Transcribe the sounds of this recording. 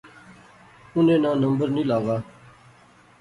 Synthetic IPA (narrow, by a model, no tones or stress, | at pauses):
ʊnẽːnãːnəmbəɾnĩːlaːʋaː